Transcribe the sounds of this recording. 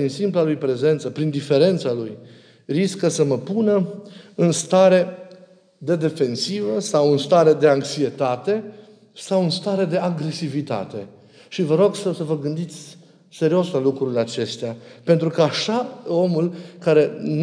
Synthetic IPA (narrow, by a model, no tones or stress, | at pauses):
insimplalujpɾe̞ze̞nt̪səpɾind̪ife̞ɾe̞nt̪saluj | riskəsəməpunəɨnst̪aɾe̞ | d̪e̞d̪e̞fe̞nsivəsawɨnst̪aɾe̞d̪e̞aŋksie̞t̪at̪e̞ | sawɨnst̪aɾe̞d̪e̞aɡɾe̞sivit̪a̰t̪e̞ | ʃivəɾo̞ɡsəsəvəɡɨnd̪it̪sʲ | se̞ɾio̞slalukɾuɾileat͡ʃe̞st̪eape̞nt̪ɾukəaʃao̞mulkaɾe̞n